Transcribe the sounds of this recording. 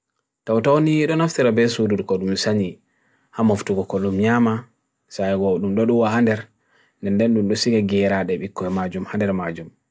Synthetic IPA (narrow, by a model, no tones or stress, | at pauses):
tawtawniɗɔnaftiɾabɛsuduɗkɔɗumsaɲi | hamɔftuɡɔkɔɗumɲama | sajɡɔɗumɗɔɗuwahandɛɾ | ndɛndɛnɗumɗɔsiɡaɡɛɾaɗɛɓikːɔɛmad͡ʒumhandɛɾmad͡ʒum